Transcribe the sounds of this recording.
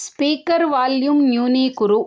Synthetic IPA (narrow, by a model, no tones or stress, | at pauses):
spiːkɐɾʋaːljumnjuːniːkʊɾu